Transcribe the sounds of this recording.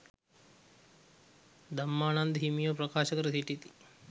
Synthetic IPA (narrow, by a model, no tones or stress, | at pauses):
d̪ɐmːaːnɐnd̪ɦimijoːpɾɐkaːʃɐkɐɾɐsiʈːit̪i̥